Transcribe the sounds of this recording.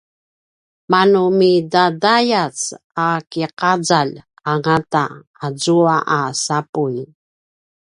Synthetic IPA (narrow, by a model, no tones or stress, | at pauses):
manumidadajat͡s | akiqad͡zal | aŋataː | zuaʔasapuj